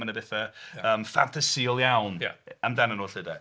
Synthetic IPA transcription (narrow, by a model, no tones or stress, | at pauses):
anəbɛθaəːmfa̰ntʰasiɔlˠjawnja̰amdanənoːɬɪda